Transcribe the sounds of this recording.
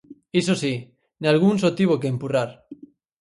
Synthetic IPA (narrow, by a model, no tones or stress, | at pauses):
isosi | nealɣ̞unsot̪iβokeːmpuraɾ